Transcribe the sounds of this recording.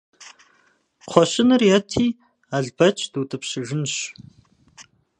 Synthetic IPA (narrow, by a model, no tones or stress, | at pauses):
qʷʰɔɕɪnɨrjɛtʰiː | aɮbɐt͡ʃʼd̥uːtʼɨpɕɪʒɨnɕ